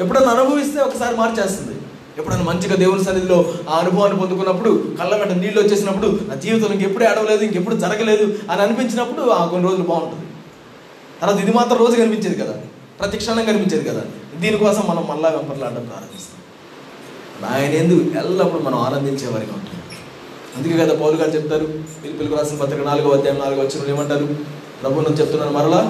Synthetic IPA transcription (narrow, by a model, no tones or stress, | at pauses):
ep̬ːuɽɐnːɐnubʱɐʋist̪e̞ːɔkːɐsaːɾimaːɾt͡ʃeːst̪und̪ḭ | epːuɽɐnːimɐɲt͡ʃiɡaːd̪eːwulɐs̬ɐnːit̪ilo̞ːaːɐnubʱɐʋaːnːip̬ond̪uk̬unːɐpːuɽukɐlːɐmɛːʈ̬ːɐniːɖlot͡ʃːe̞ːs̬inɐpːuɽunaːd͡ʒiːʋɐt̪̬ɐliŋk̬ɐepːuɽeːɐɽɐʋɐle̞ːd̪uiŋkep̬ːuɽud͡ʒɐɾɐɡɐle̞ːd̪uɐniɐnipiɲt͡ʃinɐpːuɽuaːkonːiɾo̞ːd͡ʒulɐbaːuɳʈund̪i | t̪ɐɾʋaːt̪ɐid̪imaːt̪ɾɐmɾo̞ːd͡ʒukɐnipiɲt͡ʃeːd̪ikɐd̪a̰ː | pɾɐt̪jɐkʂaːnɐŋkɐnipiɲt͡ʃe̞ːd̪ikɐd̪a̰ːd̪iːnikɔːsɐmːɐnɐmːɐlːaːʋɛmpɐɾlaːɽɖɐmpɾa̰ːɾɐmbist̪a | ɽa̰ːjɐne̞ːnd̪ukuɛlːɐpːuɽumɐnɐmaːnɐnd̪iɲt͡ʃɛːʋa̰ːɾika̰ṵɳʈun | ɐnd̪ukeːkɡɐd̪aːpɐwluɡaːlt͡ʃep̚t̪ːaːɾuʋiːlipiluɡuɾaːsɐnpɐt̪ːɾɐkɐnaːluɡɐʋɐd̪jaːmɐnaːluɡuʋɐt͡ʃːinɐmleːmɐɳʈaːɾu | pɾɐbʱunːɐnt͡ʃeput̪unːaːɾumɐɾɐɭaː